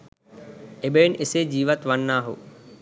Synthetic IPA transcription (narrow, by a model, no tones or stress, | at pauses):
eɓeːnɪsed͡ʑiːʋət̪ʋənːaːɦo̰ː